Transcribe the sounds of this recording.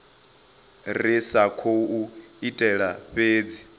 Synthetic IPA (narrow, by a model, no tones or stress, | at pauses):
risakʰouitʼɛɺaɸʼeːd͡zi